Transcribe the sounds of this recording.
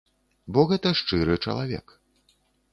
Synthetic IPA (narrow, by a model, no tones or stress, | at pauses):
bɔɣɛt̪ɐʂt͡ʂɨɾɨt͡ʂɐ̰lˠavʲɛ̰k